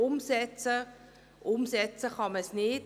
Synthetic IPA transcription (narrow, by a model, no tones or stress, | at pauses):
ʊmsɛt͡sə | ʔʊmsɛt͡səχɑməsnɪt